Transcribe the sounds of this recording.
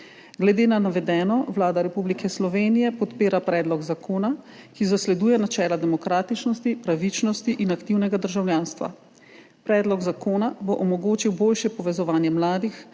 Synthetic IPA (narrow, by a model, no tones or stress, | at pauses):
ɡlɛd̪eːnanaʋɛd̪ɛːnɔwlaːd̪aɾɛpublikʰɛslɔʋeːnijɛpɔt̪peːɾapɾɛːd̪lɔɡzakʰoːnakizaslɛd̪uːjɛnat͡ʃɛːlad̪ɛmɔkɾaːt̪it͡ʃnɔst̪ipɾaʋit͡ʃnɔst̪iʔinakt̪iwnɛɡad̪əɾʒawljaːnst̪ʋa̰ | pɾɛːd̪lɔɡzakoːnaboʔɔmɔɡoːt͡ʃiwboːlʃjɛpɔʋɛzɔʋaːnjɛmlaːd̪ix